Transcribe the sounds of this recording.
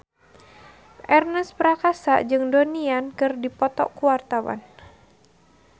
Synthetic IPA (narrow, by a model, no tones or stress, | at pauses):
ʔɛrnəspɾakasa̰ʔd͡ʒɨŋdoniankɨrdipɔt̪ɔ̰ʔkuwart̪awa̰n